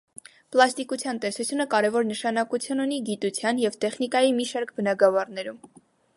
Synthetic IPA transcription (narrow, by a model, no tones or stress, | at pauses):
plɑst̪ikut͡sʰjɑnt̪ɛsut͡sʰjunəkɑɾɛvɔɾnəʃɑnɑkut͡sʰjununiɡit̪ut͡sʰjɑnjɛvt̪ɛχnikɑjimiʃɑɾk̚ʰbənɑɡɑvɑrnɛɾum